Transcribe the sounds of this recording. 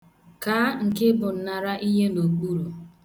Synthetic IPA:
kaː˨˦ŋ̩˨ke˦bʊ˨n̩˨na˨ɾa˦ʔi˦ɦe˦no˨ɡ͡bu˦ɾo˨

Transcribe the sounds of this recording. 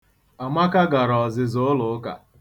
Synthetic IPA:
a˨ma˦ka˦ɡa˨ɾɔ˨zɪ˨zo˦lʊ˨˦ka̰˨

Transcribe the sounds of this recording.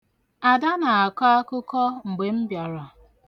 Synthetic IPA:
a˨da˦na˨a˨ka˦a˦kʊ˦kɔ˦ŋ͡m̩˨ɡ͡be˨m̩˦bja˨ɾa˨

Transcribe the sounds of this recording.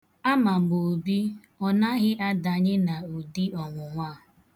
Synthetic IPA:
a˦ma˨m̩˨ɡ͡bo˨bi˦ | ɔ˦na˦ɣɪ˦ʔa˦da˨ɲɪ˦na˨o˨di˦ɔ˨ŋʷʊ˨ŋʷaː˦˨

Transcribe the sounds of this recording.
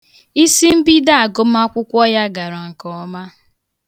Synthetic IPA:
i˦si˦m̩˦bi˦da˦a˨ɡo˦m˦a˦kʷʊ˦kʷɔ˦ja˦ɡa˨ɾa˨ŋ̩˨kɔ˦ma˦

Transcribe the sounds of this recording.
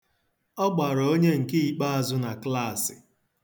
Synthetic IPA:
ɔ˦ɡ͡ba˨ɾɔo˦ɲe˦ŋ̩˨ki˦i˨k͡pa˦a˦zʊ˦na˨kla˦˨sɪ˨

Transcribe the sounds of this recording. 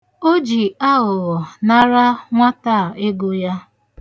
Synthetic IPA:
o˦d͡ʒi˨a˦ɣʊ˨ɣɔ˨na˦ɾa˦ŋʷa˦ta˦˨e˦ɡʊ˦ja˦

